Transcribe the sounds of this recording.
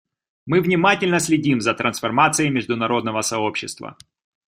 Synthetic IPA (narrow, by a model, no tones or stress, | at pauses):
mɨvnʲɪmatʲɪlʲnəsʲlʲɪdʲimzət̪ɾənsfɐrmat̪sɨɪmʲɪʐd̪ʊnɐɾo̞d̪nəvəsɐo̞pɕːɪst̪və̰